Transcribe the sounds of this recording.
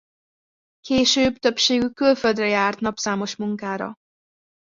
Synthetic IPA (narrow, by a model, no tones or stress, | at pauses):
keːʃøːbt̪ø̞pʃeːɡykːylføld̪rɛjaːrt̪nɒpsaːmo̞ʃmuŋkaːɾɒ̰